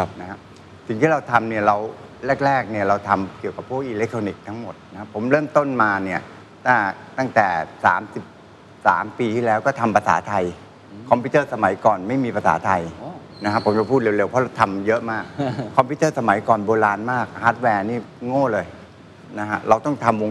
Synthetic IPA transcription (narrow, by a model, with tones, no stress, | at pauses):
a˧˩p̚na˦˥kʰa˦˥ | si˨˩ŋt̪ʰiː˥˩ɾa˧wt̪ʰa˧mni˥˩ɐɾa˧wɾɛː˥˩k̚ɾɛː˥˩k̚ni˥˩ɐɾa˧wt̪ʰa˧mki˨˩əwka˨˩pʰːu˥˩k̚ʔiː˧le˦˥k̚t̪ʰoː˧ni˨˩k̚t̪ʰa˦˥ŋmo˨˩t̪̚na˦kʰa˥pʰːo˩˦mɾɤː˥˩mt̪o˥˩nmaː˧ni˥˩ɐ | t̪ʰaː˥˩t̪a˥˩ŋt̪ɛː˨˩sa̰ː˩˦msi˨˩p̚ | sa̰ː˩˦mpiː˧t̪ʰiː˥˩lɛː˦˥wkɔː˥˩t̪ʰa˧mpʰa˧sa̰ː˩˦t̪ʰa˧j | kʰɔ˧mpʰiː˦˥t̪ɤː˥˩sa˧ma˩˦jkɔː˨˩nma˥˩jmiː˧pʰa˧sa̰ː˩˦t̪ʰa˧j | na˦˥kʰa˦˥pʰːo˩˦mt͡ɕa˧pʰuː˥˩t̪̚eː˧wle˧wpʰɔ˦˥ɾa˧wt̪ʰa˧mjɤ˦˥ʔmaː˥˩k̚kʰːɔ˧mpʰiː˦˥t̪ɤː˥˩sa˧ma˩˦jkɔː˨˩nboː˧laː˧nmaː˥˩k̚haː˦˥t̪̚wɛː˧niː˥˩ŋoː˥˩lɤː˧j | na˦˥kʰa˦˥ɾa˧wt̪ɔ˥˩ŋt̪ʰa˧mwo˧ŋ